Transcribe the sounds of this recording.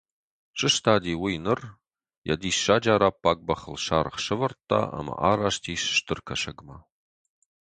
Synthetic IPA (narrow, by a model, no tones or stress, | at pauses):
ɕʼɨʃtʰaːdiːwijnɨr | jɐ̰diːsʃaːd͡ʒaːɾaːpʰːaːɡ̚ʼbɐχəlʃaːɾχʃɐvɐrtʰʼːa̰ːa̰mɐ̰ʔaːɾaːʂtʰiːʃʃtʰɨrkʰɐʃɐɡmɐ